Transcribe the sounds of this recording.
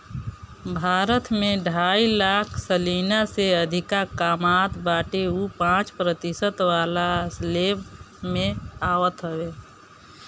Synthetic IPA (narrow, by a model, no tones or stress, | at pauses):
bʱaːɾət̪mẽɖʱaːilaːkʰsəlinaseəd̪ʱɪkakaːmat̪baːʈeupãːt͡ʃpɾət̪isət̪waːlasleb | mẽaːwət̪ɦəwe